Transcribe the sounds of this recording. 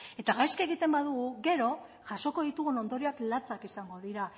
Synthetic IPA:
e̞t̪aɣajskae̞ɣit̪e̞mbaðuɣuɣe̞ɾo̞ | ʝaʃo̞ko̞ðit̪uɣuno̞nd̪o̞ɾioaklat͡sakisaŋɡo̞ðiɾa

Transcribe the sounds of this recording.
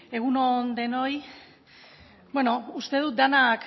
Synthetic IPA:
e̞ɣ̞unond̪e̞no̞j | bweno̞ust̪e̞ð̞ut̪̚d̪anak

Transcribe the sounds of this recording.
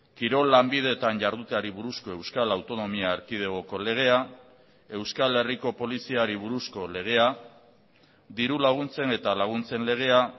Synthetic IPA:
kiɾo̞lːambið̞e̞t̪anʝaɾðut̪eaɾiβuɾusko̞e̞wskalawt̪o̞no̞miaːɾkið̞eɣ̞o̞ko̞le̞ɣ̞e̞a | e̞wskale̞riko̞po̞lisiaɾiβ̞uɾusko̞le̞ɣ̞e̞a | d̪iɾulaɣ̞unt͡se̞ne̞t̪alaɣ̞unt͡se̞nle̞ɣ̞e̞a

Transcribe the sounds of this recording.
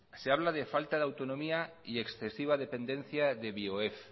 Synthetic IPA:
seaβ̞laðefalt̪aðawt̪onomia | ieksθe̞siβ̞aðe̞pẽ̞nd̪e̞n̟θjaðeβioef

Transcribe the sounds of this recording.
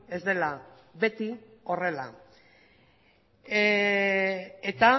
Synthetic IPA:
e̞zd̪ela | βe̞t̪io̞re̞la̰ | et̪a

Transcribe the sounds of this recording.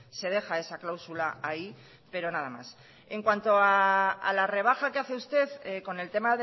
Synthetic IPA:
se̞ð̞e̞xae̞saklawsulaai | pe̞ɾo̞naðama̰s | e̞ŋkwant̪o̞aːlare̞β̞axake̞aθe̞ust̪e̞ðko̞ne̞lt̪e̞maðe

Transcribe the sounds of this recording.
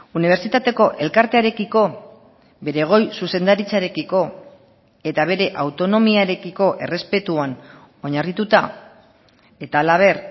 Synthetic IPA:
uniβ̞e̞ɾt͡sit̪at̪e̞ko̞ʔe̞lkaɾt̪eaɾe̞kiko̞ | be̞ɾe̞ɣ̞o̞jsuse̞nd̪aɾit͡saɾe̞kiko̞ | e̞t̪aβ̞e̞ɾe̞ʔawt̪o̞no̞miaɾe̞kiko̞ʔe̞re̞spe̞t̪uan | o̞ɲarit̪ut̪a | e̞t̪aːlaβ̞e̞r

